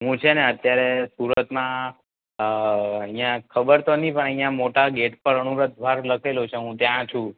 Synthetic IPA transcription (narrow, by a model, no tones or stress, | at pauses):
ɦũt͡ʃʰeneət̪jaɾesuɾət̪mã | ə̃ɦĩjãkʰəbəɾt̪onipəɳəɦĩjãmoʈaɡeʈpəɾənuɾət̪̚bʱaɾləkʰelut͡ʃʰeɦũt̪jãt͡ʃʰũ